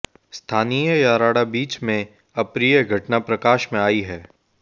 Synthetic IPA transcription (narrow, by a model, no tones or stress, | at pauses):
st̪ʰaːniːjəjaːɾaːɽabiːt͡ʃmẽ | ɐpɾijəɡʱɐʈnapɾɐkaːʃmẽaːiɦɛː